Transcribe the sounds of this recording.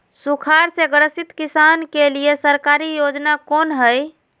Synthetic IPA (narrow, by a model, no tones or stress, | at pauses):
sukʰaɾseɡɾəsit̪kisankelijesəɾkaɾijod͡ʒnakonɦəj